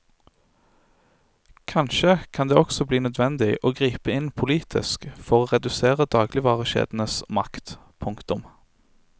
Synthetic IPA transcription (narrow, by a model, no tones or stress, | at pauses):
kʰɑnʃəkʰɑnd̪eːɔksɔbliːnœd̪ʋɛnd̪ɪʔoːɡʁiːpəɪnpʰʊliːt̪ʰɪ̰skfɔʁoːʁɛd̪ʉseːʁəd̪ɑːɡlɪʋɑːʁəʃḛːd̪n̩əsmɑkt̪ | pʰʊŋkt̪ʊm